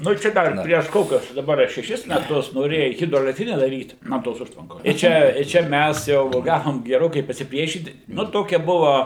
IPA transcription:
ˈnʊ ˈt͡ʃʲɛ ˈdɐr pʲrʲiɛʃ ˈkoːkʲʊs dɐˈbɐr ɐ ʃʲɛˈʃʲɪs mʲɛˈtʊs noːˈrʲeːjɛ ˌɣʲɪdroːɛlʲɛkˈtʲrʲɪnʲɛ dɐˈrʲiːt ˈnuɔ toːs ˈʊʃtʋɐŋkoːs ɪ ˈt͡ʃʲɛ ɪ ˈt͡ʃʲɛ ˈmʲæs jɛʊ ˈɡɑːʋoːm ɡʲɛˈroːkɐɪ pɐsʲɪˈpʲrʲiɛʃʲiːt ˈnʊ ˈtoːkʲɛ ˈbʊʋɐ

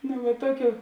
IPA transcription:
nʊ ʋɐ ˈtoːˌkʲuː

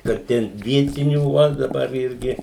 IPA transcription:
kɐt ˈtʲɛn ˈʋʲiɛtʲɪnʲuː ˈʋɐ dɐˈbɐr ˈɪrʲɡʲɪ

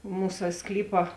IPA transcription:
ˈmuːsɐ ˈsklʲiːpɐ

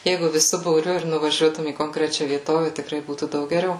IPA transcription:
ˈjɛɪɡʊ ʋʲɪˈsʊ buːˈrʲʊ ɪr nʊʋɐˈʒʲuɔtʊm iː koːŋkˈrʲæːt͡ʃʲɛ ʋʲiɛˈtoːʋʲɛ tʲɪkˈrɐɪ ˈbuːtuː ˈdɐʊk ɡʲɛˈrʲɛʊ

